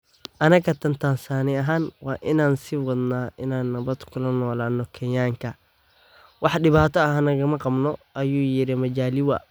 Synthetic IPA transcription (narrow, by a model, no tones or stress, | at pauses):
ʔɐnɐkɐt̪ʰɐnt̪ʰaːnsaːnɪɐɦaːnwɑːʔɪnaːnsɪwɐd̪naːʔɪnaːnːɐβɐd̪kʰʊlɐnɔːlaːnːɔkʰɐjaːŋkʰɐ | wɑħɖɪβaːt̪ʰɔɐhɐnɐɣɐmɐqɑbnɔʔɐjuːjɪɾɪmɐd͡ʒaːlɪwɐ̰